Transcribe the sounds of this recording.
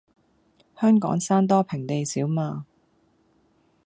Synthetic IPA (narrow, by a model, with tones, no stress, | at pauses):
hœː˥ŋkɔ̰ː˨˥ŋsaː˥nt̪̬ɔː˥pʰɪ˨˩ŋt̪e˨jsiː˨˥wmaː˧